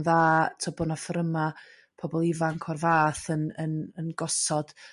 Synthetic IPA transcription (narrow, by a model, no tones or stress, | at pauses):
ðaːtʰɔbɔnafəɾəma | pʰɔbɔlˠɪvaŋkʰɔrvaːθənənənɡɔsɔd̥